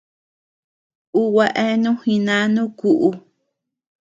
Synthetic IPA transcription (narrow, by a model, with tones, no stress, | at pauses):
u˦wa˧ʔe˦nũ˦hĩ˧nã˦nũ˦ku˨ʔu˧